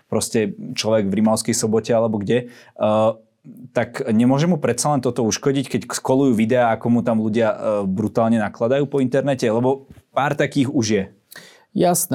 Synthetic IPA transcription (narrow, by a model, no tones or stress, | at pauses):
pɾɔscɛt͡ʃlɔʋɛɡvɾimaʊskɛjsɔbɔcɛalɛbɔɡɟɛ | t̪akɲɛmʊɔʒɛmupɾɛt̪t͡salɛnt̪ɔt̪ɔuʃkɔɟickɛcskɔlujuːʋid̪ɛaakɔmut̪amluɟɪabɾut̪aːlɲɛnaklad̪ajuːpɔint̪ɛɾnɛcɛlɛbɔpaːɾt̪akiːɣuʒjɛ | jasn